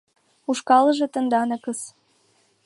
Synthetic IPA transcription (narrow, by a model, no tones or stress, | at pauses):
uʃkɑlə̆ʒĕt̪ə̆nd̪ɑnɤ̆kəs